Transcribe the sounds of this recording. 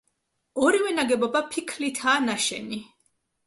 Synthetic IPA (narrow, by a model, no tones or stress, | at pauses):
ɔɾivɛnaɡɛbɔbapʰikʰlit̪ʰaːnaʃɛ̰ni